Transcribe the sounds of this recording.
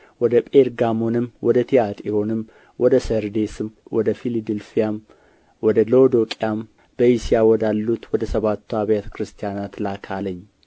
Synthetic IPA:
wɔd̪əpʼeɾɡamo̞nɨmːwɔd̪ət̪ʰijat̪ʼiɾo̞nɨm | wɔd̪əsəɾd̪e̞sɨmwɔd̪əfilid̪ɨlfijam | wɔd̪əlod̪o̞kʼijam | b̥əjisijawɔd̪alːut̪wɔd̪əsəβat̪ʰːuaβjat̪ʰə̥kʰɾɨst̪ʰijanat̪lakʰaləɲː

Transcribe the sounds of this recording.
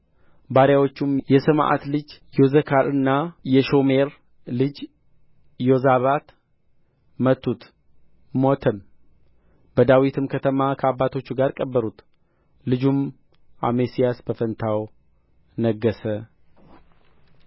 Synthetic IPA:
baɾjawot͡ʃːumjɛsɨmʔa̰t̪lɨd͡ʒjozəkʰaɾɨnːajɛʃo̞me̞ɾ | lɨd͡ʒ | jozaβat̪ | mət̪ʰːut̪ | mot̪ʰəm | bəd̪awit̪ʰɨmkʰət̪ʰəmakʰəabːat̪ʰo̞t͡ʃːuɡaɾkʼəbːəɾut̪ | lɨd͡ʒum | amesijasbəfənt̪ʰaw | nəɡːəsə

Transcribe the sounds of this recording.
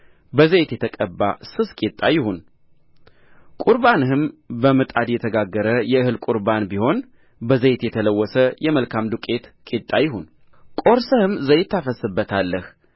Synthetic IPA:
bəzəjt̪jɛt̪ʰəkʼəbːa̰sɨskʼit̪ʼːajɪhun | kʼuɾbanɨɦɨmbəmɨt̪ʼad̪jɛt̪ʰəɡaɡːəɾəjɛɨhɨlkʼuɾbanbiho̞n | bəzəjt̪jɛt̪ʰələwːɔsəjɛməlkʰamd̪ukʼe̞t̪kʼit̪ʼːajɪhun | kʼo̞ɾsəhɨmzəjt̪ʰːafəsɨbːət̪ʰalːəh

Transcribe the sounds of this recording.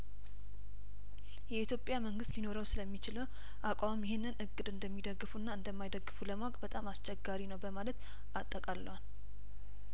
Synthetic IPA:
jɛit̪jo̞pʼjaməŋɡɨst̪jino̞ɾəwsɨləmːit͡ʃɪləw | ʔakʷʼamjɪhenːɨnʔɨɡʼːɨd̪ɨnd̪əmːid̪əɡːɨfunːaɨnd̪əmːajd̪əɡːɨfuləmaakʼbət̪ʼamast͡ʃʰɛɡːaɾinəwbəmalət̪ | ʔat̪ʼːəkʼalːəwan

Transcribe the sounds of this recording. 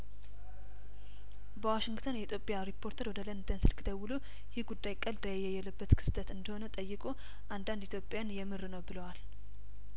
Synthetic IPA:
bəwaʃɪŋɡt̪ʰənjɛit̪ʰjopʼejaɾipʰːo̞ɾt̪ʰəɾwɔd̪ələnd̪ənsɨlkʰɨd̪əwʊlu | jɪhɡud̪ːajkʼːəld̪əjajːɛjːɛləbːət̪kʰɨ̥st̪ʰət̪ɨnd̪əho̞nət̪ʼəjːɨkʼo | ʔand̪and̪it̪ʰjopʼːjanjɛmɨɾɨnəwbɨləwal

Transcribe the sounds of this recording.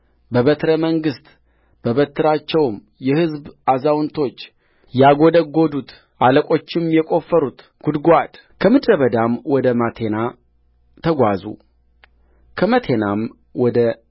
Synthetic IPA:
bəβət̪ʰɾəməŋɡɨst̪ | b̥əβət̪ʰːɨɾat͡ʃːɛwm | jɛhɨzbazawnt̪ʰo̞t͡ʃː | jaɡo̞d̪əɡːo̞d̪ut̪ | ʔaləkʼo̞t͡ʃːɪmjɛkʼo̞fːəɾut̪ | ɡ̥ud̪ɡʷad̪ | kʰəmɨd̪ɾəβəd̪amwɔd̪əmat̪ʰe̞na | t̪ʰəɡʷazṵ | kʰəmət̪ʰe̞nam | wɔd̪ə

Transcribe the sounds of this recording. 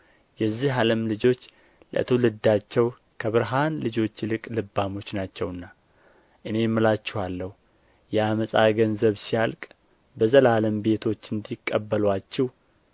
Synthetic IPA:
jɛzːiɦaləmlɨd͡ʒo̞t͡ʃː | lə̰t̪ʰɨwlɨd̪ːat͡ʃːɛw | kʰəβɨɾɦanlɨd͡ʒo̞t͡ʃːlɨkʼlɨbːamo̞t͡ʃːnat͡ʃːɛwɨnːa | ʔɨne̞mːɨlat͡ʃːɪhalːəhu | jɛaməsʼa̰ɡənzəβsijalkʼ | bəzəlaləmbe̞t̪ʰo̞t͡ʃːɨnd̪ikʼːəbːəlwat͡ʃːɪh

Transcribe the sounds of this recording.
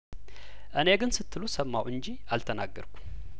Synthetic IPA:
ʔɨne̞ɡɨnsɨt̪ʰːɨlusəmːawʔɨnd͡ʒiʔalt̪ʰənaɡːə̰ɾkʷʰu̥

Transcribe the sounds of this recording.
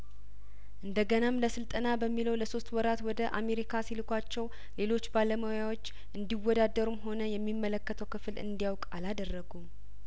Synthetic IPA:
ʔɨnd̪əɡənamləsɨlt̪ʼənabəmːiləwləso̞st̪wɔɾat̪wɔd̪əʔame̞ɾikʰasilɨkʰʷat͡ʃːɛw | le̞lo̞t͡ʃːbaləməwjawot͡ʃː | ʔɨnd̪iwːɔd̪ad̪əɾumɦo̞nəjɛmːimːələkːət̪ʰəwkɨflɨ̰nd̪ijawkʼalad̪ərːəɡum

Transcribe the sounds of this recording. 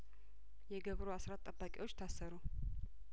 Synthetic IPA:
jɛɡəβɾoasɾat̪ʼːəbːakʼiwo̞t͡ʃːt̪ʰasːəɾu

